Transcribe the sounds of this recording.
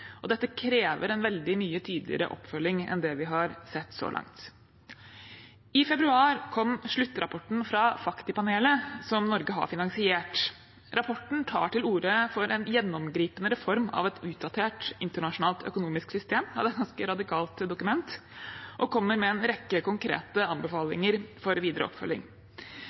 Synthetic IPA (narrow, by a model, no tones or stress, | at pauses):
ʔɔd̪ɛt̪ːəkʰɾeːʋəɾɛnʋɛld̪ɪmyːət̪ʰyːd̪lɪ̰əɾə̰ʔɔ̰pfœlːɪŋɛ̰nd̪ɛʋɪɦɑɾsɛt̪ːsɔ̰ːlɑ̰ŋt̪ | ɪfɛbɾʉɑːɾkʰɔmːʂɭʉt̪ːɾɑpʰɔʈn̩fɾɑfɑkt̪ɪpɑneːləsɔmnɔɾɡəɦɑ̰ɾfɪnɑŋsɪeːʈ | ɾʔɑpʰɔʈɳ̩t̪ʰɑ̰ːʈɪluːɾəfɔɾʔɛnjɛnːɔmɡɾiːpənəɾɛfɔɾmɑ̰ʋɛt̪ʉːt̪̚d̪ɑt̪ʰeːʈɪnt̪əɳɑʂʊnɑːlt̪œ̰kʊnuːmɪsksʏst̪eːmɑʋd̪ɛt̪̚ɡɑnskəɾɑd̪ɪkʰɑːlt̪d̪ʊkʉmɛnt̪ʔɔkʰɔmːəɾmɛɛnɾɛkːəkʊŋkʰɾḛːt̪əɑnbəfɑːlɪ̰ŋəɾfɔɾʋiːd̪əɾʔə̰ɔ̰pfœ̰lːɪ̰ŋ